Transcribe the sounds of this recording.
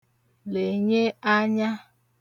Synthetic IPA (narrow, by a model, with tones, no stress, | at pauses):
le˨ɲe˦a˦ɲa˦